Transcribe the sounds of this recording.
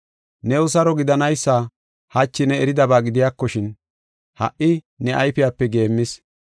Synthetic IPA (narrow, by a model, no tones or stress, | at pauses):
nɛʊs̬ɐɾɔɡɪd̪ɐnɐjsːaː | hɐt͡ʃːɪnɛɛɾɪd̪ɐbaːɡɪd̪ɪjaːkːɔʃɪn | hɐ̰ʔɪ | nɛʔajfɪjaːpːɛɡe̞ːmːɪs